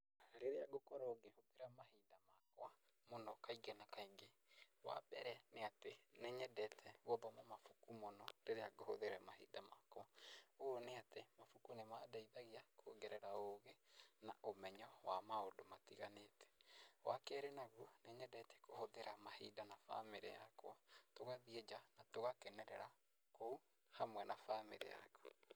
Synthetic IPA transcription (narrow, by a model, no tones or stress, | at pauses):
ɾeɾeaɡokɔɾɔɡehoðeɾamahidamakoa | monɔkaiɡɛnakaiŋɡe | wa̰ɓɛɾɛneatenɛɲɛdɛtʰɛɣɔðɔmamafukumɔnɔɾeɾeaɡohoðeɾamahḭdamakɔaoneatemafukunemadaiðaɣiakʰoɡɛɾɛɾaoɣenaʔomɛɲɔwamaodomatiɣanetɛ̥wa̰kɛɾenaɣuneɲɛdɛtɛ̥kohoðeɾamahidanafa̰meɾḛja̰kwɔtoɣaðied͡ʒanatoɣakɛnɛɾɛɾa | kou | hamwɛnafameɾḛja̰kɔ